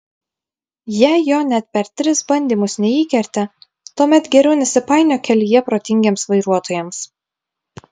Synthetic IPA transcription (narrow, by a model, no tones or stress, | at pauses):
jɛjoːnʲɛt̪̚pʲɛɾt̪ʲɾʲɪsbɐnʲd̪ʲiːmʊsnʲɛiːkʲɛɾʲt̪ʲɛ | t̪uɔmʲɛt̪ɡʲɛɾʲɛʊnʲɛsʲɪpɑˑɪnʲoːkʲɛlʲijɛpɾoːt̪ʲɪŋʲɡʲeːmsʋɐɪɾuɔt̪oːjɛms